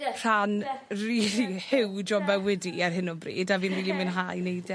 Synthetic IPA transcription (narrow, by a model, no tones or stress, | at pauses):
r̥anriːlihɪwd͡ʒɔbɛwɛdiarɦɪnɔbrḭːdaviːnriːlˠimɨnɦajnejdɛ